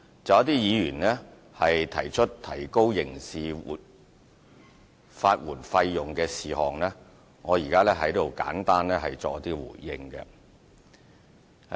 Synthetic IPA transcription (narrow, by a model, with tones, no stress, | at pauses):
t͡sɐ˨wɐ˥t̪iː˥jiː˨˧jyː˨˩nlɛː˥ | hɐ˨jt̪ʰɐ˨˩jt͡ʃʰɵ˥t̚t̪ʰːɐ˨˩jko˥wjɪ˨˩ŋsḭː˨˩ | faː˧t̚wuː˨˩nfɐ˧jːʊ˨ŋkɛː˧siː˨hɔː˨ŋlɛ˥ | ŋɔː˨˧jiː˨˩kaː˥lɛː˥ɦɐ˨˥jt̪o˨wka̰ː˨˥nt̪aː˥nlɛː˥hɐ˨jt͡sɔː˨kɐ˥t̪iː˥wṵː˨˩jːɪ˧ŋkɛ̰˧